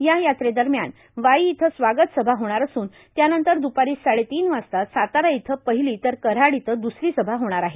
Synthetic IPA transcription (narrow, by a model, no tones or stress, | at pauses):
jajat̪ɾed̪əɾmja̰n | ʋaiːt̪ʰəsʋaɡət̪səbʱaɦoɽ̃aɾəsuːn | t̪janənt̪əɾd̪upaɾiːsaɭet̪iːnʋast̪asat̪aɾait̪ʰəpəɦiliːt̪əɾkəɾaɽit̪ʰəd̪usɾiːsəbʱaɦoɽ̃aɾaɦe